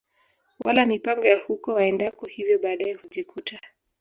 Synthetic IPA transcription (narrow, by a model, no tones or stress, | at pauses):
wʔa̰lamipaŋɡɔjahukɔwaɛndakɔhivjɔɓaːɗaɛhuʄikʰutʰa